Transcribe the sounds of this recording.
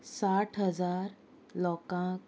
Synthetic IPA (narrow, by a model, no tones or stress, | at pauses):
saʈʰɦəd͡zaɾ | lɔkãk